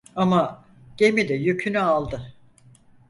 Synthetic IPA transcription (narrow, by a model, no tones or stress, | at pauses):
ama | ɟ̥emid̪ɛjøcʰynyalˠd̪ɯ